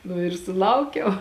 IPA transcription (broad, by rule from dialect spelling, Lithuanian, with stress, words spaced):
nʊ ɪr sʊˈlˠɐʊkʲɛʊ